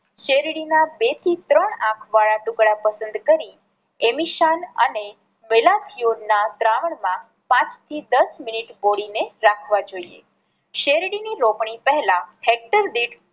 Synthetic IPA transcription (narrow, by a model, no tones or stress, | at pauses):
ʃeɾiɽinabet̪ʰit̪ɾəɳãkʰʋaɭaʈukɽapəsə̃nd̪kəɾi | emiʃanə̰ne | melat̪ʰionat̪ɾaʋəɳmã | pãt͡ʃt̪ʰid̪əsminiʈboɽineɾakʰʋad͡ʒoiḛ | ʃeɾiɽiniɾopɳ̃ipəɦɛlãhek̚ʈəɾd̪iʈ